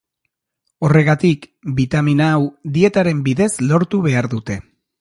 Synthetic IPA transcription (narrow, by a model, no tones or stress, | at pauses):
o̞re̞ɣ̞at̪ikbit̪aminaːwd̪ie̞t̪aɾe̞mbiðe̞zlo̞ɾt̪uβ̞e̞aɾðut̪e̞